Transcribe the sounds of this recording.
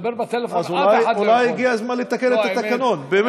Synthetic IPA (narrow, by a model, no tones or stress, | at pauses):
ɾt̪azulajulajiɡiazmanlit̪ːakelet̪ːak̪ːakanonbem